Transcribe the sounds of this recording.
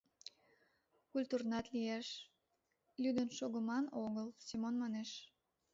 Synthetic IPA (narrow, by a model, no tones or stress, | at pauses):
kulʲt̪urnɑt̪liæʃ | lyd̪ənʃoɣəmɑnoɣəlsimonmɑneʃ